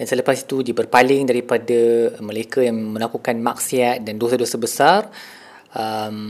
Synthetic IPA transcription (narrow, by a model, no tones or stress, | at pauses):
dansələpasi̥t̪udibərpalɪŋdaɾipadaməlaikajaŋmə̃lakukanmak̚siat̪̚dandosadosabəsar | əm